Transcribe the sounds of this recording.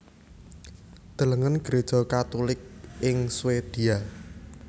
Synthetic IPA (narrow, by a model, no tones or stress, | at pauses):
d̪̥ə̤ləŋənɡ̥ɾed̥ʒ̥ɔ̤kat̪ulɪk̚ɪŋswed̪̥ia